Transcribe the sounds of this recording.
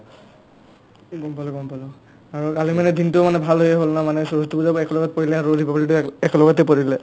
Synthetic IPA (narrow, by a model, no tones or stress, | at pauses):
kɔmpalɔkɔmpalɔ | aɹukalimanɛdintʊmanɛbʱalɦojɛɦolnamanɛsɔɹɔtubuzabɛkɔlɔɡɔt̚poɹilɛaɹuodʱibabalitʊɛkɔlɔɡɔtɛpoɹilɛ